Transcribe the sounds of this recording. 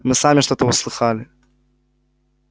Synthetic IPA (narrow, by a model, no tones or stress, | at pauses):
mɨsamʲɪʂt̪o̞t̪əʊslˠɨxalʲɪ